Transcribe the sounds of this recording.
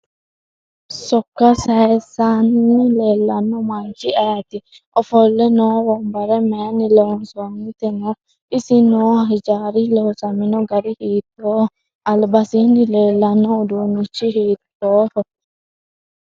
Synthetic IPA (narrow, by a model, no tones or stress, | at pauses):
sɔkːasaɛsanːilɛlːanːɔmant͡ʃiʔajat̪i | ɔfɔlːɛnɔwɔmbaɾɛmɛnilɔnsonːit̪ɛnɔ | isinɔhahid͡ʒaɾilɔsaminɔɡaɾihiːt̪ːɔːɔ | albasinilɛlːanːɔd̪unit͡ʃːiɦit̪ːɔːhɔ